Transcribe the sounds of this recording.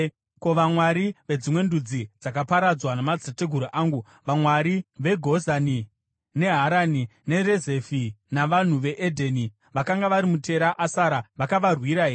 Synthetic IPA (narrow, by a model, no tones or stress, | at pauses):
ko̞ʋamwaɾiʋe̞d͡zimwe̞ndud͡zid͡zakapaɾad͡zwanamad͡zete̞ɡʱuɾoʔaːŋɡu | ʋamwaɾiʋe̞ɡʱo̞zani | ne̞ɦaɾanine̞reze̞finaʋan̤uʋe̞ʔedʱeni | ʋakaŋɡaʋaɾimute̞ɾaʔasaɾaʋakaʋarwiɾaɦeːe